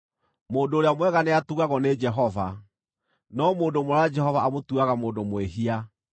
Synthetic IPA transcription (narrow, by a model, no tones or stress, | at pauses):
moːndoːɾeamwɛɣaneatuɣaɣɔned͡ʒɛɦɔva | nɔmoːndomoɾad͡ʒɛhɔvaamotuɣaɣamoːndomweɦia